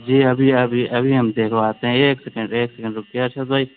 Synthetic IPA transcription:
d͡ʒiːɐbʱiɐbʱiɐbʱiɦɐmd̪eːkʰaːt̪eɦɛ̃eːksekə̃ɳɖeːksekə̃ɳɖɾʊkiaːɾt͡ʃʰɐt̪̚baːiː

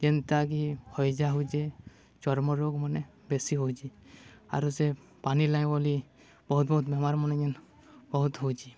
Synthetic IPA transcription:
d͡ʒɛnt̪aɡihɔjd͡ʒaɦud͡ʒe | t͡ʃɔɾmɔɾoɡmɔne | besiɦowt͡ʃia̰ɾuse | panilajbɔli | bɔɦut̪̚bɔɦut̪̚bɔmaɾmɔnɛɲɔn | bɔɦut̪ɦowt͡ʃʰi

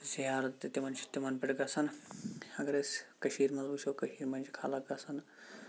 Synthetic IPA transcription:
ziɦaːɾɐt̪ːit̪imɐnt͡ʃʰi̥t̪imɐnbɪʈɡɐsɐnɐɡɐɾeskɐʃiːɾmɐnzut͡ʃʰoːkɐʃiːɾmɐnt͡ʃʰkʰa̰ːlɐk̚ɡɐsɐn

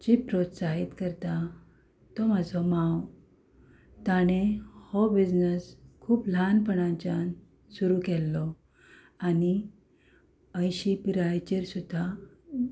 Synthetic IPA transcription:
d͡ʑipɾot̪saɦit̪kəɾt̪a | t̪ɔmad͡zʱɔmãw | t̪aɽ̃ehɔbid͡ʑnəskʰuːplanpəɳ̃ãt͡ɕan | suɾukɛlːɔ | ani | əjɕipiɾajt͡ɕiɾsud̪ʱːa

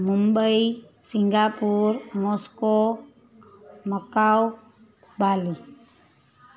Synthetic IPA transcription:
mumbəisɪŋɡaːpuɾmoːsko | məkaw | baːli

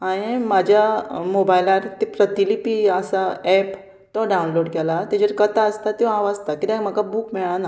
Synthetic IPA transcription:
aɽ̃imad͡ʑʱjamobajlaɾt̪epɾət̪ilipiəsaɛp | t̪ɔɖaunloɽkɛlat̪ed͡ʑəɾkət̪aəst̪at̪iʋaʋad͡zt̪akit̪ãm̤akabuːkmɛɭana

